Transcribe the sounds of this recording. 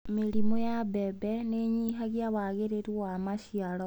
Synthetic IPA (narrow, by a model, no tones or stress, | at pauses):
meɾimojabebeneɲiɦaɣjaβaɣeɾeɾiwamaʃialo